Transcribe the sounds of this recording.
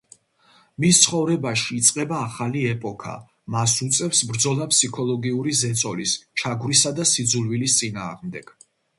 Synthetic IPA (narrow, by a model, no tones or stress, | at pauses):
mist̪sʰχɔvɾɛbaʃiːt̪sʼqʼɛbaːχaliɛpʼɔkʰa̰ | masut̪sʼɛfsbɾd̪zɔlˠapʰsikʰɔlˠɔɡiuɾizɛt̪sʼɔlist͡ʃʰaɡvɾisad̪asid̪zulvilist̪sʼina̰ːʁmd̪ɛɡ̥